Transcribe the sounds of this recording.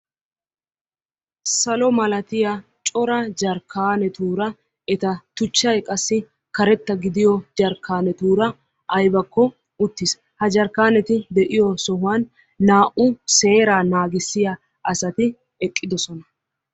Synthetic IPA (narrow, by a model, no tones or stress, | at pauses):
sɐlɔmɐlɐt̪ɪja | t͡ʃʼɔɾɐd͡ʒɐɾkʰːaːnɛt̪uːɾɐ | ɛt̪ɐt̪ʊt͡ʃːɐjkʼɐsːɪ | kɐɾɛt̪ːɐɡɪd̪ɪjɔd͡ʒɐɾkʰːaːnɛt̪uːɾɐ | ʔɐjbɐkːɔ | ʊt̪ːɪs | hɐd͡ʒɐɾkːaːnɛt̪ɪd̪ɛʔɪjɔsɔhʊwaːnː | aːʔʊse̞ːɾaːnaːɡɪsːɪjɐ | ʔɐsɐt̪ɪ | ɛkʼːɪd̪ɔsɔnɐ